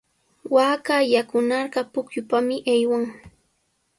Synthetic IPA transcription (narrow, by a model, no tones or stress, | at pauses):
waːkajakʊnɑɾɢɑpʊkjʊpamɪʔajwaŋ